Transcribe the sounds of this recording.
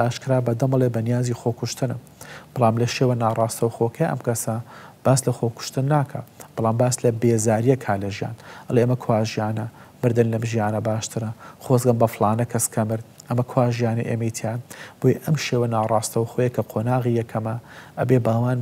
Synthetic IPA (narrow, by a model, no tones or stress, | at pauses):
ʔaːʃkɨɾaːbɐd̪ɨmɐlˠeːbɐnijaːziːxoːkʊʃt̪ɨnɨm | b̥ɨlˠɑːmlɐʃeːwɐnaːrˤɑːst̪ɐwxoːkʰɐjʔɐ̰mkɐsɐb̥aːslɐxoːkʊ̥ʃt̪ɨnːaːkʰa̰ːb̥ɨlˠaːmbaːslɐbeːzaːɾijɐkʰaːlɐʒija̰ːnʔɐlˠeʔemɐkʰwaːʒijaːnɐ | mɨɾd̪ɐnlɐmʒijaːnɐbaːʃt̪ʰɨɾɐxoːzɡɐmbɐflˠɑːnɐkʰɐskʰɐmɨɾd̪ʔɐmɐkʰwaːʒjaːnɐ̰ʔeːmɐjit̪ʰjaːnb̥ojɐʔɐmʃeːwɐnaːrˤɑːst̪ɐwxoːjɐkʰɐqʰoːnaːɣijɐkʰɐmɐʔɐ̰beːbaːwaːn